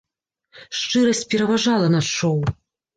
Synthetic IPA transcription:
ʂt͡ʂɨɾɐsʲt͡sʲpʲɛɾɐvaʐalˠɐnɐʂɔw

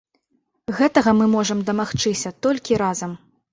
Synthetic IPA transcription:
ɣɛt̪ɐɣɐmɨmɔʐɐmd̪ɐmaxt͡ʂɨsʲɐt̪ɔlʲkʲiɾazɐm

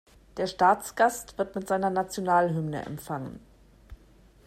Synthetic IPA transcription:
d̥eːɐʃtaːt͡sɡ̥astv̥ɪɐtmɪtz̥aɪnɐnat͡sjonaːlɦʏmnə̰ʔɛ̰mfaŋə̰n

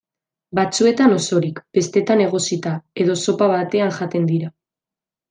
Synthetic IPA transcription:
bat͡sue̞t̪ano̞so̞ɾikb̥e̞st̪e̞t̪ane̞ɣ̞o̞sit̪ae̞ðo̞so̞paβ̞at̪e̞aŋʝat̪e̞nd̪iɾa

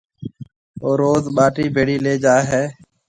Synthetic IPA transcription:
oːɾoːzɓaːʈiːbʱeːɽiːleːd͡ʒaːɦeː

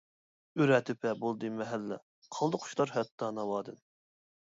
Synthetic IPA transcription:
yɾɛt̪ʰɪpʰɛbolˠd̪ɨmɛɦælːɛ̰ | qʰɑlˠd̪ʊqʰʊ̥ʃlˠɑɾɦɛt̪ʰːɑnɑwɑːd̪ɨn

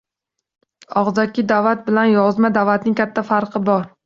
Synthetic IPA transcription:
ɒʁzakʲɪd̪avat̪̚bɪlanjɒzmad̪avat̪nɪŋkʰʲat̪ʰːafaɾqʰɨbɒɾ

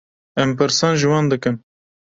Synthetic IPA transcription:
ɛmpɨɾsɑːnʒɨwɑːnd̪ɨkɨm

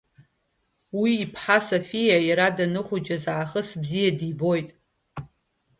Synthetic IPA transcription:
wiːpʰħasofijajaɾadanɨχʷʊd͡ʒazaːχəsbzijadibo̞jtʼ

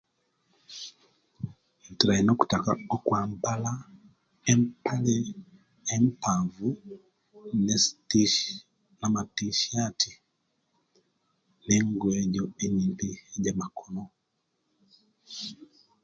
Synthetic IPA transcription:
intiɾainoku̥takaɔkwambala | empalɛ | empavu | nestiʃ | namatiʃatʰi | neŋɡwɛɟɔeɲimpiɟamakʰɔnɔ

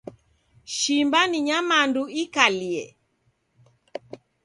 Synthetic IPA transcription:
ʃimbaniɲamanduikaliɛ̰

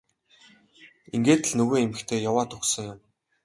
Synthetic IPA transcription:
iŋɡeːt̪ɘ̆ɮnɵɣeːemɘ̆xt̪ʰeːjawaːt̪ʰʊksə̆ŋjʊm

